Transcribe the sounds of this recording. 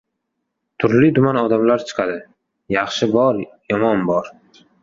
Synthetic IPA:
t̪ʰʊɾlid̪ʊmanɒd̪amlaɾt͡ʃʰɨ̥qʰɑd̪ɪ | jɑχʃɪbɒɾjɒmɒnbɒɾ

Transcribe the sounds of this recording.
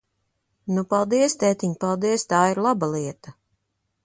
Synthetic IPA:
nupalˠd̪iɛst̪ɛːt̪iɲpalˠd̪iɛst̪aːiɾlˠabalˠiɛt̪ɐ

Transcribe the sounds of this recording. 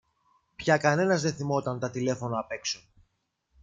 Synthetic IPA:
pçɐkɐne̞nɐzðenθimo̞t̪ɐnt̪ɐt̪ile̞fo̞noɐpe̞kso

